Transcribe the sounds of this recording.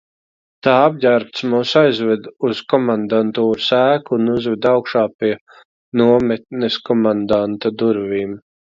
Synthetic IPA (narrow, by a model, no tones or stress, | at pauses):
t̪aːab̚ɟʲæɾp̚t̪smuːsajzvɛd̪uz̥kɔmand̪ant̪uːɾusæːkuunuzvɛd̪awkʃaːpʲiɛ | nuɔmɛt̪̚nɛskɔmand̪ant̪ad̪uɾviːm